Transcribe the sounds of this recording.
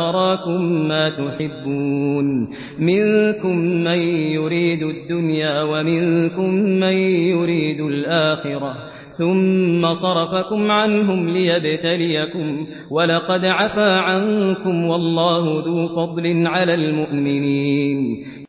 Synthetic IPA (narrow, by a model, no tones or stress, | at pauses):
ɑɾˤɑːkʊmːaːt̪ʊħɪbːuːn | mɪnkʊmːajjʊɾiːd̪ʊd̪ːʊnjaːwamɪŋkʊmːajjʊɾiːd̪ʊlʔaːxɪɾɑ | θʊmːasˤɑɾˤɑfakʊmʕanɦʊmlɪjabt̪alɪjakʊm | walɑqɑd̪ʕafaːʕankʊmwɑlˤːɑːhʊðuːfɑd̪ˤlɪnʕalaːlmʊʔmɪniːn